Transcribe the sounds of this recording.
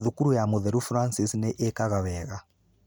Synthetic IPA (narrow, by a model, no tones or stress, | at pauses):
ðukuɾujamuðɛɾufɾansisnɛʔɛkaɣaβɛːɣa